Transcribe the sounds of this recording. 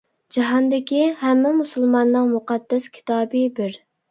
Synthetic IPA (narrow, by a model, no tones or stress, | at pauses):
d͡ʒɑɦɑnd̪ɪkʲiɦɛmːɪmusulˠmɑnːɨŋmuqɑd̪ːɛskʲʰi̥t̪ʰɑːbɨbɪɾ